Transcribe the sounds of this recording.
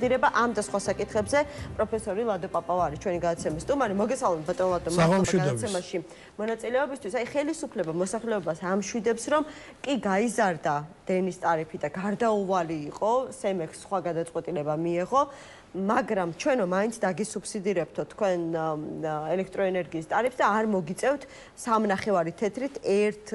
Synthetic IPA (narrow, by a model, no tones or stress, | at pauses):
d̪iɾɛbaʔamd̪asχwasakʼit̪ʰχɛbzɛpʼɾɔpʰɛsɔɾilˠad̪ɔpʼapʼavaɾit͡ʃʰwɛniɡad̪at̪sʰɛmisːt̪ʼumaɾimɔɡɛsalˠmɛt̪̚bat̪ʼɔnlˠad̪ɔmaaʃaɡad̪asʰɛmaʃi | mɔnat̪sʼilɛɔbist̪ʰwisaiχɛlisupʰlɛbamɔsaχlɛɔbasamʃwid̪ɛpsɾɔm | kʼiɡaizaɾd̪ad̪̥ɛnist̪ʼaɾipʰid̪aɡaɾd̪auvaliːqʼɔsɛmɛksːχwaɡad̪at̪sʼwɛt̪ʼilɛbamiɛʁɔ | maɡɾamt͡ʃʰwɛnɾɔmaint̪sʰd̪aɡisupsid̪iɾɛp̚t̪ʰɔt̪ʰkʰwɛn | ɛlɛkʰt̪ʼɾɔɛnɛɾɡiːst̪ʼaɾipsd̪aːɾmɔɡit̪sʼɛvt̪ʰ | samnaχɛvaɾit̪ʰɛt̪ʰɾit̪ʰɛɾt̪ʰ